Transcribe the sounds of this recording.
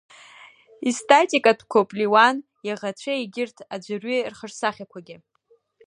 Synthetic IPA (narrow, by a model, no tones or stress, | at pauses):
istʼatʼikʼatʰkʷʰopʼliwan | jaʁat͡ɕʷʰaiɡʲɪrtʰad͡ʒʷarɥirχərsaχʲakʷʰaɡʲɪ